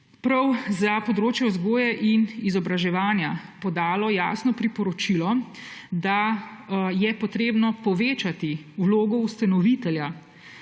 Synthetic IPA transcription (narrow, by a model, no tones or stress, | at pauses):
pɾɐwzapɔd̪ɾoːt͡ʃjɛuzɡoːjaʔinizɔbɾaʒɛʋaːnjapɔd̪aːlɔja̰ːsnɔpɾipɔɾɔt͡ʃilɔ | d̪a | jɛpɔt̪ɾeːbnɔpɔʋeːt͡ʃat̪iwloːɡɔust̪anɔʋit̪ɛlja